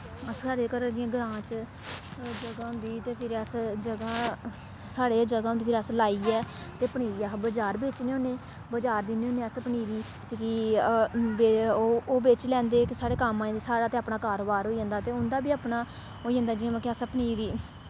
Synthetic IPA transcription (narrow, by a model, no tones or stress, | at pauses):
əssaːɽeːkəɾd̪ɪãːɡɾãːt͡ʃ | d͡ʒəɡãːʊ̃nd̪iːt̪eːpʰɪɾəsd͡ʒəɡãː | saːɽeːd͡ʒəɡãːʊnd̪iːpʰɪɾəslaːiːɛːt̪eːpəɳiːɾiːabəd͡ʒaːɾbeːt͡ʃneːoːneː | bəd͡ʒaːɾd̪ɪneːoːneːəspəɳiːɾiː | t̪eːki | beːoːbeːt͡ʃlɛ̃ːnd̪eːkɪsaːɽeːkəmãːd̪ːsaːɽaːt̪eːaːpɳaːkaːɾoːbaːɾɦoːiːd͡ʒãːnd̪aːt̪eːʊnd̪aːbiːaːpɳaː | ɦoːid͡ʒə̃ːnd̪aːd͡ʒɪãːmãkɪəsapəɳiːɾiː